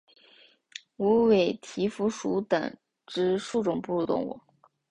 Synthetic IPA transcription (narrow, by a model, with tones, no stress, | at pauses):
u˧˥we˨˩ɪt̪ʰi˧˥fu˧˥ʂu˧˥t̪ɤ̰˨˩ŋ | ʈ͡ʂɻ̩˥ʂu˥˩ʈ͡ʂʊ˨˩ŋpu˥˧t̪ʊ̰˥˩ŋwṵ˨˩˦